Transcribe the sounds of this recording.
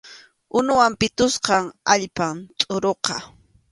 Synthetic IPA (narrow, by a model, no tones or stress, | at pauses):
ʊnʊwampɪt̪ʊsqɑŋaʎpamt̪ʼʊɾoqɑ